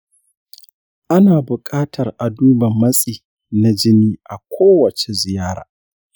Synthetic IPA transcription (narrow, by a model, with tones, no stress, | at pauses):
ʔa˦naː˨bʊ˨kʼaː˦tʰɐ˨rʔa˨duː˦bɐ˨mːɐ˦sʼiː˨ | na˦d͡ʒɪ˦niː˦ʔa˨kʷʰoː˦wɐ˨t͡ʃe˨zɪ˨jaː˦ɾa̰ː˨